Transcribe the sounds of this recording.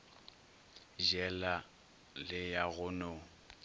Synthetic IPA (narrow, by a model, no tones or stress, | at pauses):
ʒɛla | lɪjaɣʊnɔ